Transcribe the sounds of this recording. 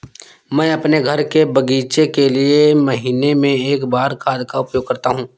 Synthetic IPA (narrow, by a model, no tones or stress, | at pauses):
mɛ̃ːɐpneɡʱɐɾkebɐɡiːt͡ʃekeliemɐɦiːnemẽeːkbaːɾkʰaːd̪kaʊpjoːɡ̚kɐɾt̪aɦũː